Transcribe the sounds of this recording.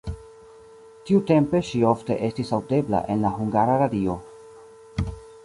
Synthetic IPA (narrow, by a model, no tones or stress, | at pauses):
tiute̞mpe̞ʃio̞fte̞ʔe̞stisawde̞bla̰ʔe̞nlaɦuŋɡaɾaɾadio̞